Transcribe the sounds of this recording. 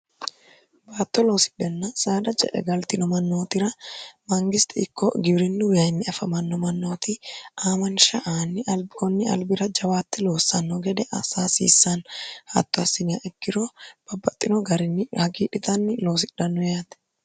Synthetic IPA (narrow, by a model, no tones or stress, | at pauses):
baːt̪ːɔlo̞ːsɪ̥ɗɛnːɐsaːd̪ɐd͡ʒɛ̰ʔɛ̰ɡɐlt̪ɪnɔmɐnːo̞ːt̪ɪɾɐmɐŋɡɪst̪ʰɛɪkːɔ̰ɡɪbɾɪnːʊwɪhɐjmːɛɐfɐmɐnːɔmɐnːo̞ːt̪ɪʔaːmɐnʃɐʔaːnːɪʔɐlbkɔnːɪɐ̰lbɪɾɐd͡ʒɐwaːt̪ːɛlo̞ːsːɐnːɔɡɛd̪ɛʔɐ̰saːsḭːsːɐnhɐ̰t̪ːɔɐsːɪnɪja̰ʔɛkːɪɾɔb̥ɐbːɐt̪ʼːɪnɔɡɐɾɪnːɪhɐɡiːᶑɪt̪ɐnːɪlo̞ːs̬ɪɗːɐnːɔjaːt̪ɛ̥